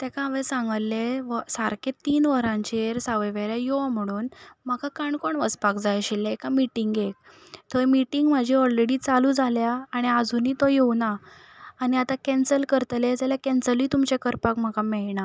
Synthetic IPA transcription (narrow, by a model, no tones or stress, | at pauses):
t̪ɛkaaʋẽsãŋɡəlːeʋəsaɾket̪iːnʋəɾãɲt͡ɕeeɾsaʋəʋeɾjajom̤əɽ̃uːnmakakaɳkoɳʋəspakd͡zajaɕilːeekamiʈiŋɡek̚ | t̪ʰoemiʈiŋɡm̤ad͡ʑʱiɔlɾeɽit͡salud͡zʱaljaːɽ̃iəd͡zʱuniːt̪ojewnaː | ɽ̃iat̪akɛ̃nsəlkəɾt̪led͡zaljakɛnsəlit̪umt͡ɕekəɾpakm̤akamɛɭna